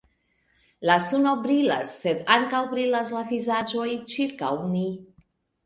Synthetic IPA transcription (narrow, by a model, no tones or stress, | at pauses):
lasunobɾilasːe̞d̪aŋkawbɾilaslavizad͡ʒo̞jt͡ʃiɾkawni